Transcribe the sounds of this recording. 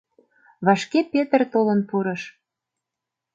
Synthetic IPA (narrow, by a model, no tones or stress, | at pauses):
βɑʃkepet̪ərt̪olənpuɾɤ̆ʃ